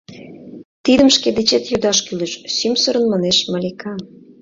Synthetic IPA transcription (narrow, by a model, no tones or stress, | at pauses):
t̪id̪ə̆mʃked̪et͡ɕet̪jud̪ɑʃkylə̆ʃsymsə̆ɾə̆nmɑneʃmɑlʲikɑ